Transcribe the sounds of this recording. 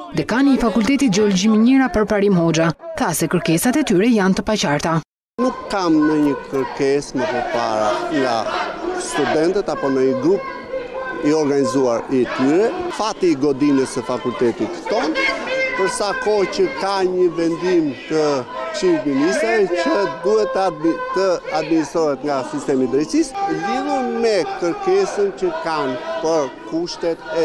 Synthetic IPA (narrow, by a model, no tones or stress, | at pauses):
ðɛkanəfakult̪ɛt̪id͡ʒɛɔlɔd͡ʒimɛɲɛɾapəɾpaɾimɦɔd͡ʒaθasɛkəɾkɛsat̪ɛt̪yɾɛjant̪əpat͡ɕaɾt̪a | nukːamnəɲəkəɾkɛsməpəɾpaɾaŋɡa̰st̪ud̪ɛnt̪ət̪apɔnəɲəɡɾup | iɔɾɡanizuaɾit̪yɾɛfat̪iːɡɔd̪imɛsəfakult̪ɛt̪it̪t̪ɔnpəɾsakɔcəkaɲəvɛnd̪imt̪əʃitminist̪ɾaɛcəd̪uhɛt̪t̪əad̪̚minist̪ɾɔɦɛt̪ŋɡasist̪ɛmid̪ɾɛt̪sisliɾəmɛkəɾkɛsəncəkanpəɾkuʃt̪ɛt̪ɛ